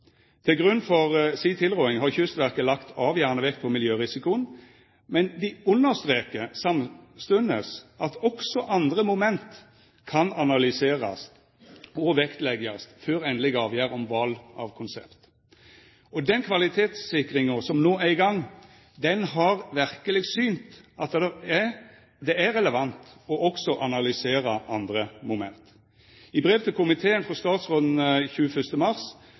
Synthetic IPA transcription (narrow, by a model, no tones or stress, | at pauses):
t̪ʰɪlɡʁʉnːfɔʁsiːt̪ʰɪlʁɔːɪŋɦɑʁçʉst̪ʋæʁkəlɑkt̪ʰɑːʋjæːʁnəʋɛk̚t̪̚pʰɔmɪljøːʁɪsɪkʊən | mɛnd̪ɪʊnːəʁst̪ʁeːkəsɑmst̪ʉnəsɑt̪ɔksɔʔɑnd̪ʁəmʊmɛnt̪ | kʰɑnɑnɑlʏseːʁɑ̰s | ɔʋɛkt̪lɛɡɑst̪føːʁɛnlɪɡɑːʋjæːʁɔmʋɑlɑ̰ʋkʰʊnsɛ̰pt̪ | ɔd̪ɛnkʰʋɑlɪt̪ʰeːt̪ssɪkʁɪŋəsɔmnoːæɪɡɑŋː | d̪ɛnɦɑʁʋæɾkəlɪɡsyːnt̪ɑt̪d̪ɛ | d̪ɛæɾɛləʋɑnt̪ɔʔɔksɔʔɑnɑlʏseːɾɑʔɑnd̪ɾəmʊmɛnt̪ | ɪbɾeːʋt̪ʰɪkʊmɪt̪ʰeːənfɾɔst̪ɑːt̪sʁoːd̪n̩çʉːəfʏst̪əmɑʁs